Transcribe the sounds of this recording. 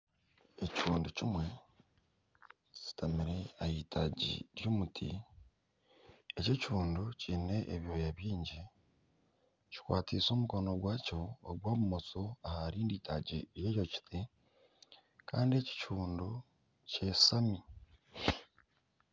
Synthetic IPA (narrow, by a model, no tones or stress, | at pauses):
eci̥fuːnducimwe̞ | ci̥tʰamiɾe̞ahiːtʰaɟḭɾjoːmutʰḭ | ece̞cfuːndociːne̞ʔeβjo̞jaβjiːɲɟi | ci̥kwa̰ːtiso̞muko̞no̞ɡwaːco̞̰ːɡwaːβumot͡soahaɾiːndiːtʰa̰ɟijeːjoci̥ti | kaːndie̞ci̥t͡ʃuːndu | ce̞sami